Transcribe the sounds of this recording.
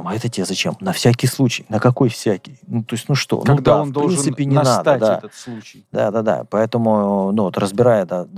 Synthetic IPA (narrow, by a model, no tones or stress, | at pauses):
mɐɛt̪ətʲɪazɐt͡ɕḛmnɐfsʲækʲɪjslˠut͡ɕɪjnəkɐko̞jfsʲækʲɪjnut̪o̞ɪsʲnuʂt̪o̞̰nuɡd̪aofnp̪doɾlinnsɨpʲɪnʲɪnad̪əd̪aɛ̰ət̪slˠut͡ɕɪjd̪a̰d̪ad̪a̰pɐɛt̪əmʊnuvot̪rəzbʲɪɾajəd̪a